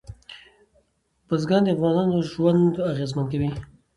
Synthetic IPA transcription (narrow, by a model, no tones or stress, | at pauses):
pəzɡɑnd̪eafɣɑnɑnoʒwand̪aɣezmankawi